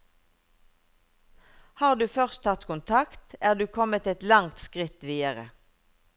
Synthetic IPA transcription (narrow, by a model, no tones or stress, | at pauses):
hɑːʁd̪ʉːfœʁst̪ʰɑt̪kʰʊnt̪ʰɑkt̪æːʁd̪ʉːkʰɔmət̪ɛt̪lɑŋt̪skʁɪt̪ʋiːəʁə̰